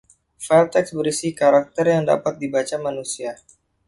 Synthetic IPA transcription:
fɛlt̪ɛksbəɾisihkaɾak̚t̪ərjaŋda̰pat̪̚dibat͡ʃamanusia

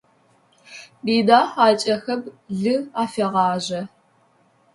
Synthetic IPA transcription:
biːdaːħaːt͡ʃʼɐxɐbɮɨaːfeʁɑːʑɐ

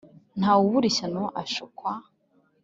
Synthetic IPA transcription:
n̥hawuβuɾiɕanoʔaʃukwa

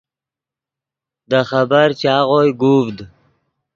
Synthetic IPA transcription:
d̪əxabəɾt͡ɕɑːʁojɡuːvd̪

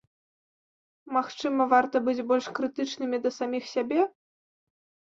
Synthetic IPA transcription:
maxt͡ʂɨmɐvart̪ɐbɨd͡zʲbɔlʲʂkɾɨt̪ɨt͡ʂnɨmʲid̪ɐsamʲixsʲabʲɛ

